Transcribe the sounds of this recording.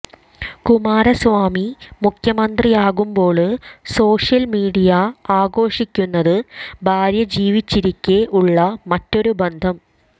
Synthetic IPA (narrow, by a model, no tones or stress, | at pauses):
kumaːɾɐsʋaːmimukʰjɐmɐnd̪rijaːɣumbo̞ːɭɨso̞ːʂjɐlmiːɽijɐaːɡo̞ːʂikʲːunːɐðɨbʱaːɾjɐd͡ʑiːʋit͡ɕːiɾikʲːeʔuɭːɐmɐtːo̞ɾubend̪ʱɐm